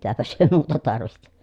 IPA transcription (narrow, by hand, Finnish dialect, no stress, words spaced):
mitæpæs hyø muːtɑ tɑrʋihti̥